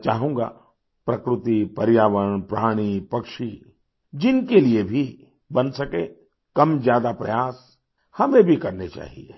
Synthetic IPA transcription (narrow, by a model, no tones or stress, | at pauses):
t͡ʃaːɦũːɡa̰ | pɾɐkɾɪt̪ipɐɾjaːʋəɽ̃pɾaːɽ̃ipɐkʃi | d͡ʒɪnkeliebʱi | bɐnsɐkẽː | kɐmzjaːd̪apɾɐ̰jaːs | hɐmẽbʱikɐɾnet͡ʃa̰ːɦḭḛː